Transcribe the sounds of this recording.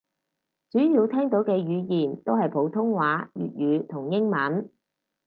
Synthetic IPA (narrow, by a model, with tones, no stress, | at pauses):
t͡syː˨˥jiː˧wt̪ʰɛː˥ŋt̪o˨˥wkɛː˧jyː˨˧jiː˨˩nt̪o˥wɦɐ˨jpʰo˨˥wt̪ʰʊ˥ŋwaː˨˥jy̰ː˨t̚jyː˨˧t̪ʰʊ˨˩ŋjɪ˥ŋmɐ˨˥n